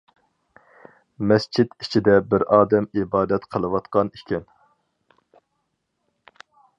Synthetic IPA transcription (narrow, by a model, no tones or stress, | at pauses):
mɛst͡ʃʰid̪it͡ʃʰid̪ɛbɪɾɑːd̪ɛmibɑːd̪ɛt̪qʰəlˠɨwɑt̪qɑnikʲʰɛn